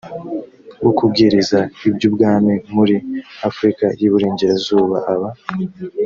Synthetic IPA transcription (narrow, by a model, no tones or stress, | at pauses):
ɡokub̚ɡiɾizaibɟub̚ɡaːmimuɾiafɾikajiβuɾeːɲɟeɾazuːβa̰ʔaβa